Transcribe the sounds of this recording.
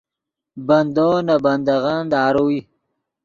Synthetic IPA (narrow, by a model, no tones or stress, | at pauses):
bɐnd̪oːnabɐnd̪aɣand̪aːɾowi